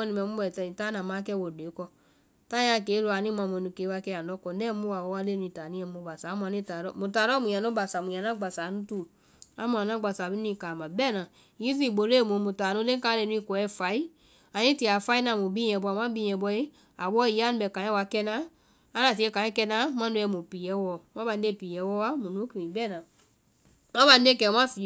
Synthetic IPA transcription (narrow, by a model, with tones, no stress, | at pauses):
ɔ˦nĩ˨mɛ˨mu˦bɔ˨ti˨ta˦na˨ma˦kɛ˦wo˨de˨˦kɔ˧ | ta˦a˧˦˨ke˨˦lo˧a˨ni˦mã˧mo˧˨nu˧˨ke˨˦wa˧kɛ˧˦˨a˨ɔ˦kɔ˨nɛ˦mu˦a˨wo˦wa˧˦le˦˨nũ˧i˨ta˨nĩ˦ɛ˧mo˧˦ba˨sa˨˦mu˧˦a˨ni˦˨ta˨ɾɔ˦mu˨ta˨ɾɔ˦mũ˨a˨no˦ba˨sa˨mũ˨ja˨na˦ɡ͡ba˨sa˨nu˦tu˦˨ | a˨˦mu˨a˨na˦˨ɡ͡ba˨sa˨bi˦n˦i˧˨ka˨mã˨bɛ˦˨nã˨ | ji˦z̬i˦˨ɡ͡bo˨le˦˨mõ˧˦mũ˨ta˨nũ˦lẽ˦ka˧˦le˧˨nũ˧i˧˨kɔ˨ɛ˦fa˨˦i˦ | a˨nĩ˦ti˧˨a˨fa˦i˦nã˨mũ˨bĩ˦ɛ̃˧˨bɔ˧˦a˨mã˦bĩ˦ɛ̃˧˨bɔ˧˦i˦ | a˨ɓɔ˦i˨˦a˦nũ˧˦bɛ˨kã˨˦ɛ̃˦wa˧kɛ˧nã˦ | a˦na˨si˨˦e˧˦kã˨˦ɛ˦kɛ˧nã˦mã˦no˧˦ɛ˧˦mũ˨pi˨jɛ˦wɔ˦˨mã˦ba˨n˦de˦˨pi˨jɛ˨˦wɔ˦wa˦mũ˨nũ˦ki˨ĩ˨bɛ˦˨nã˨ | mã˦ba˨n˦de˦˨kɛ˨˦mã˦fi˨